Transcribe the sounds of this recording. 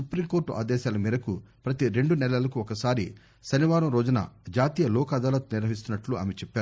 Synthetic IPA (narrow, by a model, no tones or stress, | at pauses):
supɾimkoːɾʈuʔa̰ːd̪ɛːʃaːlɐmiːɾɐku | pɾɐt̪iɾe̞ɳɖunɛlɐlɐkuɔkɐsaːɾi | ʃɐniʋaːɾɐmɾɔːd͡ʒunɐ̰d͡ʒaːt̪iːjɐlɔːkaːd̪aːlɐt̪niɾʋɐɦis̬t̪unːɐʈlua̰ːmet͡ʃɛpːaːɾu